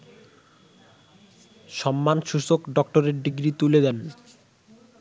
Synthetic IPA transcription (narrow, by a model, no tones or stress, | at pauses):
ʃɔmːanʃuʃokɖɔkʈoɾeɾɖiɡɾit̪uled̪ɛn